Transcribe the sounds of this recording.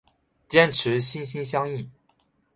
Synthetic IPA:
t͡ɕjɛ˥nʈ͡ʂʰɻ̩˨˧˥ɕi˥nɕi˥nɕ̬jɑ˥ŋi˥˩

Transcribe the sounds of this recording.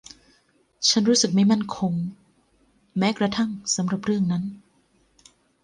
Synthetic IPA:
t͡ɕʰa˦˥nɾuː˦˥sɯ˨˩k̚ma˥˩jma˥˩nkʰo˧ŋ | mɛː˦˥kɾa˧t̪ʰa˥˩ŋsa˩˦mɾa˨˩p̚ɾɯ˥˩əŋna˦˥n

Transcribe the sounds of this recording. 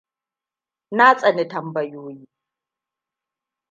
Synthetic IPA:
naː˦t͡sʼɐ˨ni˨tɐ˨mbɐ˨joː˦jiː˦

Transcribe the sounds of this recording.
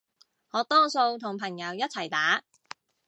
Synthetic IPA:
ŋɔː˨˥t̪ɔː˥so˧wt̪ʰʊ˨˩ŋpʰɐ˨˩ŋjɐ˨˧wjɐ˥t̚t͡sʰɐ˨˩jt̪aː˨˥

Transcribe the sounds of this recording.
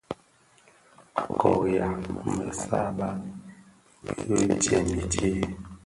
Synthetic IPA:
kɔ˨ja˨ŋmə˨sa˦ba˦ | jo˦tɛ˨mi˨te˦˨

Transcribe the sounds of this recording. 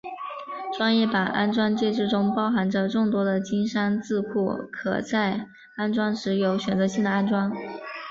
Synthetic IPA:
ʈ͡ʂwa˥ŋjɛ˥˩pa˨˩nʔa̰˥nʈ͡ʂwa˥nt͡ɕjɛ˥˧ʈ͡ʂɻ̩˥˩ʈ͡ʂʊ˥ŋpɑ˥ʊxa˧˥nʈ͡ʂə˧ʈ͡ʂʊ˥˩ŋt̪wɔ˥d̪ə˨t͡ɕi˥nʂa˥nt͡sɹ̩˥˧kʰu˥˩kʰɤ̰˨˩t͡sa˥˩ɪ | a˥nʈ͡ʂwɑ˥ŋʂɻ̩˧˥jo˧˥ʊɕɥɛ˨˩nt͡sɤ˧˥ɕi˥˩nd̪ə˩a˥nʈ͡ʂwɑ˥ŋ

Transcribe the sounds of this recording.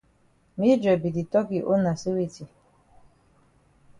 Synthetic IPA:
mi˦d͡ʒɔ˨bi˨di˨tɔ˦ki˨ʔo˦na˨si˦wi˦ti˨

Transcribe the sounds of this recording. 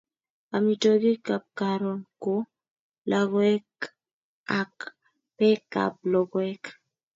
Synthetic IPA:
a˨mi˨toɡi˦ka˨p̚kaɾɔ˨nko˦ | la˨ɡwɛ˦k | a˨k | pɛ˦ka̰˨p̚lɔ˨ɡɛ˦k

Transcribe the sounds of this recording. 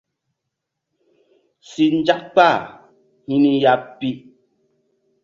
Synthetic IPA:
si˨n˦d͡ʒa˦k̚k͡pa˦˨ | hi˦ni˦ja˦p̚pːi˦

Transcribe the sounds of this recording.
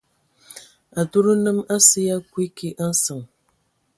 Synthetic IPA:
a˨tu˦ɾu˦nɨ˦ma˦si˦ja˦kwi˦ki˦ʔ̩˦sɨ˨ŋ

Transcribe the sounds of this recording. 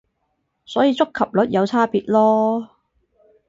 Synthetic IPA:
sɔː˨˥jiː˧t͡sʊ˥kʰɐ˨p̚lɵ˨˥t̚jɐ˨˧wt͡sʰaː˥piː˨t̚lɔː˥

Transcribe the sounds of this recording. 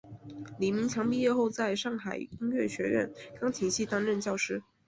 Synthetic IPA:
li˨˩mi˧˥ŋt͡ɕʰjɑ˧˥ŋpi˥˧jɛ˥˧xo˥˧ʊt͡sa˥˧ɪʂɑ˥˩ŋxa˨˩ɪi˥ŋɥɛ˥˩ɕɥɛ˧˥ɥɛ̰˥˩nkɑ˥ŋt͡ɕʰi˨˩ŋɕi˥˩t̪a˥nɻə˥˧nt͡ɕjɑ˥˩ʊʂɻ̩˥

